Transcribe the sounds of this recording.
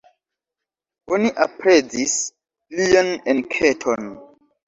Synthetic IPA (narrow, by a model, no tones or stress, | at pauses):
oniʔapɾed͡zis | lianenkʰetʰon